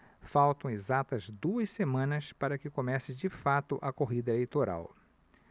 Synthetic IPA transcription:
fawt̪ɐ̃w̃ezat̪ɐzd̪uɐssemɐ̃nɐspaɾɐkɪkomɛsɪd͡ʒɪfat̪ʊʔɐkoɦid̪ɐelejt̪oɾa̰w

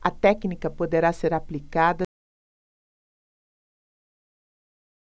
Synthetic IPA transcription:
ɐt̪ɛknikɐpod̪eɾaseɾapːlikad̪ɐ

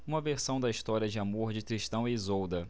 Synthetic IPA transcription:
ũmɐveɾsɐ̃w̃d̪ɐiʃt̪ɔɾiɐd͡ʒɪamoɾd͡ʒɪk̪ɾiʃt̪ɐ̃w̃izowd̪ɐ

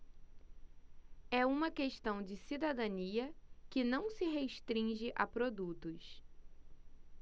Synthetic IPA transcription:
ɛũmɐkeʃt̪ɐ̃w̃d͡ʒɪsid̪ad̪ɐ̃niɐkɪnɐ̃w̃sɪɦeʃt̪ɾĩʒɪʔapɾod̪ut̪ʊs

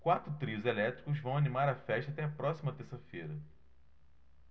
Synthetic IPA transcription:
kwat̪ɾʊt̪ɾiʊzelɛt̪ɾikʊzvɐ̃w̃animaɾɐfɛʃt̪ɐat̪ɛɐpɾɔsimɐt̪eɾsɐfejɾɐ

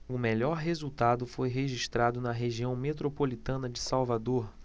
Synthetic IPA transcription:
ʊmeʎɔɾɦezut̪ad̪ʊfojɦeʒiʃt̪ɾad̪ʊnɐɦeʒiɐ̃w̃met̪ɾopolit̪ɐ̃nɐd͡ʒɪsawvad̪oɾ

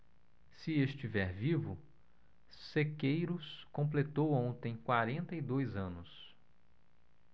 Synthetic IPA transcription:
sɪest͡ʃivɛɾvivʊ | sekejɾʊskõmp̬let̪owõnt̪ẽj̃kwaɾẽnt̪ɐid̪ojzɐ̃nʊs

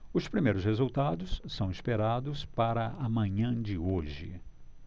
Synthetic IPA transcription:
ʊspɾimejɾʊshezuwt̪ad̪ʊsːɐ̃w̃ispeɾad̪ʊspaɾɐʔɐmɐ̃ɲɐ̃d͡ʒɪoʒɪ̰

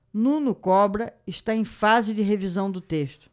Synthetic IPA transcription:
nũnʊkɔbɾɐɪʃt̪aẽj̃fazɪd͡ʒɪɦevizɐ̃w̃d̪ʊt̪eʃt̪ʊ̥

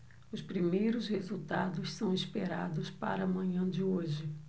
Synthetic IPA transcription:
ʊspɾimejɾʊshezut̪ad̪ʊssɐ̃w̃ispeɾa̰d̪ʊspa̰ɾɐːmɐ̃ɲɐ̃d͡ʒɪoʒɪ

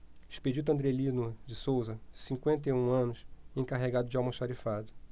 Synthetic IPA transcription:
iʃped͡ʒit̪uɐ̃nd̪ɾelinud͡ʒɪsowzɐsĩŋkwẽnt̪ejũɐ̃nʊsẽkaɦeɡad̪ʊd͡ʒɪawmɐʃaɾifad̪ʊ

